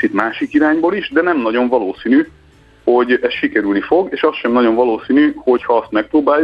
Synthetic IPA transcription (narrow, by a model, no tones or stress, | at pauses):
t͡ʃit̪maːʃikiɾaːɲboliʒd̪ɛnɛmnɒɟo̞ɱvɒloːsiːny | ho̞ɟɛsʃikɛɾylnifo̞ɡeːʃɒsʃɛmnɒɟo̞ɱvɒloːsiːnyho̞chɒɒst̪mɛk̚pɾoːbaːj